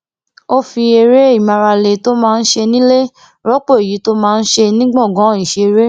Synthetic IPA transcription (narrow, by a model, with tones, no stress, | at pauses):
o˦fi˧e˧ɾe˦i˦˨mã˧ɾa˧le˨˧to˦mãː˦˧n̩˦ʃe˧nĩ˦le˦ | ɾɔ˦k͡po˦˨e˨ji˨˦to˦mãː˦˧n̩˦ʃe˧nĩ˦ɡ͡bɔ̃˦˨ɡɔ̃˨˦i˨ʃe˧ɾe˦